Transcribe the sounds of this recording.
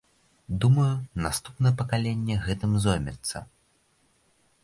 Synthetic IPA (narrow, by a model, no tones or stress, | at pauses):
d̪umɐjunast̪upnɐjɛpɐkalʲenʲːɛɣɛt̪ɨmzɔjmʲɛ̰t̪sːɐ̰